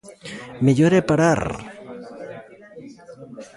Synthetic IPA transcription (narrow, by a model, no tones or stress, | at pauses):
meʎoɾepaɾaɾ